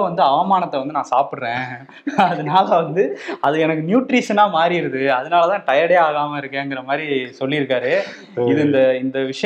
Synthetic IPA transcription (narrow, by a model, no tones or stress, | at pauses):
ʋɐnd̪ɯɐʋɐmaːnɐt̪ːɐʋɐnd̪ɯnãːsaːpɪɽɾẽː | ɐðɐnaːlɐʋɐnd̪ɯɐðɯɛnɐkːɯnjuːʈɾiːʂɐnaːmaːɾiɪɾɯðɯɐðɯnaːlɐt̪ãːʈɐjɐɽeːaːɣaːmɐɪɾɯkːẽːɛŋɡɪɾɐmaːd̪ɾisɔlːɪɪɾɯkːaːɾɯ | ɪðɯɪnd̪ɐɪnd̪ɐʋɪʂɐ